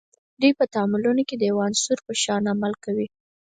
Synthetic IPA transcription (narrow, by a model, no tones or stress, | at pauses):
d̪ujpət̪aɑmʊlunoked̪əjawansuɾpəʃɑnamalkawi